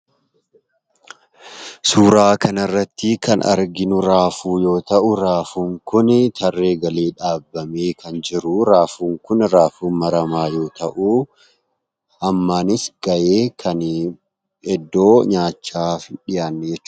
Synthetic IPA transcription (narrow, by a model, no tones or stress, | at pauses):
suːɾaːkɐnɐrːɐt̪ːɪkɐnɐ̰ɾɡɪnʊɾaːfuːjo̞ːt̪ɐʔʊɾaːfuŋkʊnɪt̪ʰɐrːe̞ːɡɐleːᶑaːbːɐmeːkʰɐnd͡ʒɪɾʊɾaːfuːŋkʊnɾaːfuːmɐɾɐmaːjo̞ːt̪ɐʔu | ɐmːaːnɪsɡ̥ɐjeːkʰɐn | ɛd̪ːo̞ːɲaːt͡ʃːaːfɪnᶑɪjaːnːɛd͡ʒɛt͡ʃː